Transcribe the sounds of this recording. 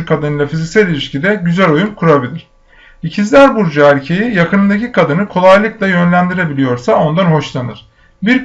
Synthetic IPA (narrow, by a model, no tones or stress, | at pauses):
ɾkʰad̪ɯnɯjlˠafizicsælʲilʲiʃcid̪ɛɟyzælʲo̞jumkʰuɾabilʲiɾ̥ | icʰizlʲæɾbuɾd͡ʒaæɾcʰe̞jijakɯnɯd̪acʰikʰad̪ɯnɯkʰo̞lˠajlˠɯklˠajø̞nlʲænd̪iɾe̞bilʲijo̞ɾsao̞nd̪anɦo̞ʃlˠanɯɾ̥ | biɾk